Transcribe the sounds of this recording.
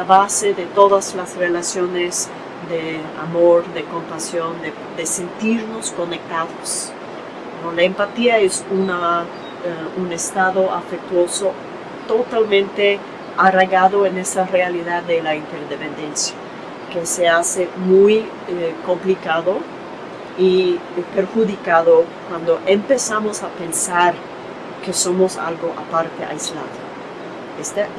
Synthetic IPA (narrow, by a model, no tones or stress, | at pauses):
laβaseðe̞t̪o̞ðaslasrelasjo̞nes | d̪e | a̰moɾðe̞ko̞mpasjo̞nd̪e | d̪e̞se̞nt̪iɾnosko̞ne̞k̚t̪aðos | nolaempat̪iaesuna | unest̪aðo̞afek̚t̪wo̞so | t̪ot̪almẽ̞nt̪e | areɣaðoenesarealiðaðːelaint̪eɾðepẽnd̪ensja | keseasemuj | ko̞mplikaðo | i | peɾxuðikaðokwand̪oʔempesamosapensaɾ | kesomosa̰lɡoʔa̰paɾt̪ḛa̰jzla̰ðo | est̪a